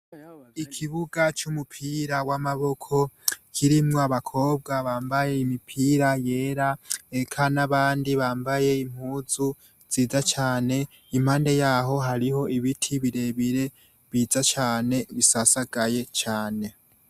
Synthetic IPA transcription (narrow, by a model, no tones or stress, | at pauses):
ikʰiβuɡat͡ʃumupʰiːɾawamaβo̞kʰo̞kʰiɾimŋoaβakʰo̞ːb̚ɡaβaːmbaje̞imipʰiːɾaje̞ːɾaekʰanaβaːndiβaːmbaje̞im̥huːzu | z̥iːzat͡ʃaːne̞ | im̥haːnde̞jaɦo̞ɦaɾiho̞ʔiβitʰiβiɾe̞βiɾe̞ | βiːzat͡ʃaːne̞βisasaɡaje̞t͡ʃaːne̞